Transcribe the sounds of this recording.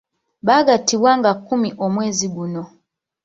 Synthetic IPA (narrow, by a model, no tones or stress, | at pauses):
βaɡatiβwaŋɡakumiʔomwe̞ːziɡuno